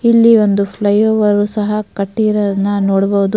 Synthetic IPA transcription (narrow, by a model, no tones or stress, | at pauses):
ilːiʋond̪upʰlɐjoːʋɐɾusɐɦɐkɐʈːiːɾɐɐnːɐnoːɽɐbɐʋud̪u